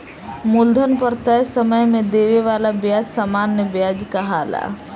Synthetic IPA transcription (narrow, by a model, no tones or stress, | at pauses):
mʊld̪ʱənpəɾt̪əjsəməjmẽd̪eːʋeʋaːlabjaːd͡ʒsamaːnːəbjaːd͡ʒkaɦaːla̰ː